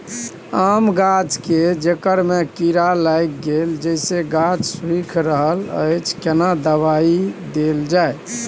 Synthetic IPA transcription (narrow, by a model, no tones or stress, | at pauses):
amɡad͡ʒked͡ʒekəɾmekiɾalajk̚ɡeld͡ʒəɪseɡad͡ʒswikʰɾəɦələ̰jt͡ʃʰkenad̪əβaid̪eld͡ʒaj